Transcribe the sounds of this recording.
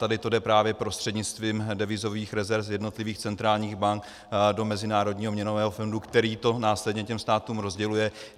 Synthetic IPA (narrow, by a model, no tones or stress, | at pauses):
t̪adɪt̪o̞dɛpɾaːvjɛpɾo̞st̪r̥ɛdɲɪt͡st̪viːmdɛvɪzo̞viːxɾɛzɛɾfjɛdno̞t̪lɪviːxt͡sɛnt̪ɾaːlɲiːɣbaŋk | do̞mɛzɪnaːɾo̞dɲiːɦomɲɛnovɛːɦofondukt̪ɛɾiːt̪o̞naːslɛdɲɛcɛmst̪aːt̪uːmɾo̞zɟɛlujɛ